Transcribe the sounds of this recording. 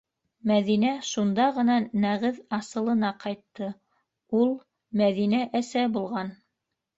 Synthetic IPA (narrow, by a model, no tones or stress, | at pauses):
mæðinæʃund̪ɑʁɤ̆nɑnæʁɘðɑsɤ̆lˠɤ̆nɑqɑjt̪ːɤ | ulˠ | mæðinæʔæsæbulˠʁɑn